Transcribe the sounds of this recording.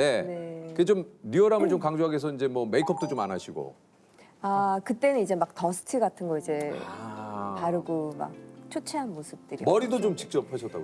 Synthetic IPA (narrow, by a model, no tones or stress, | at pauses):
ne̞nekɯkɡet͡ɕomɾiʌɾamɯɭt͡ɕomkaŋd͡ʑoɦaɡes̬ʰʌind͡ʑe̞mwʌme̞ikʰʌp̚t͈ot͡ɕoma̰naɕʰiɡo̰ | akɯt͈e̞nɯnid͡ʑe̞mak̚tʌsʰɯ̥tʰɯɡatʰɯnɡʌid͡ʑe̞ | paɾɯɡoma̰k̚t͡ɕʰot͡ɕʰeɦanmosʰɯp̚t͈ɯɾimʌɾidot͡ɕomt͡ɕi̥k̚t͡ɕ͈ʌpʰheɕʰʌt͈a̰ɡo